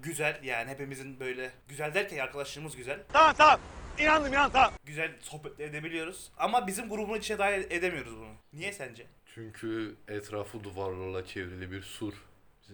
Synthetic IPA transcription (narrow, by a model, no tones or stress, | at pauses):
ɟyzælʲjaːnihe̞pimizinbø̞jlʲɛɟyzælʲd̪æɾcʰænaɾkʰalˠaʃt̪ˠɯmɯzɟyzælʲt̪ʰamamt̪ʰamminanɯminant̪ʰamɟyzælʲso̞hpɛt̪lʲied̪e̞bilʲijo̞ɾuz̥amabizimɡuɾubunuit͡ʃʰnɛd̪aːied̪emijo̞ɾuzbununijɛsænd͡ʒɛt͡ʃʰyɲcʰyɛt̪ʰɾaːfɯd̪uvaɾlˠalˠat͡ʃʰevɾilʲibiɾsuɾ